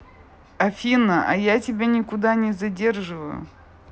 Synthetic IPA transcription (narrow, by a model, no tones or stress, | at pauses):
ɐfʲinəʔɐ̰jatʲɪbʲanʲɪkʊd̪anʲɪzɐdʲe̞rʐɨvə̰jʊ̰